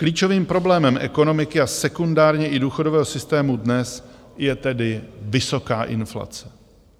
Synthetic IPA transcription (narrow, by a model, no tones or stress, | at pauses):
kliːt͡ʃo̞viːmpɾoblɛːmɛmʔɛ̰ko̞no̞mɪkɪasɛkundaːɾɲɛʔɪduːxo̞dovɛːɦosɪst̪ɛːmudnɛs | jɛt̪ɛdɪvɪso̞kaːʔɪ̰nfla̰t͡sɛ̥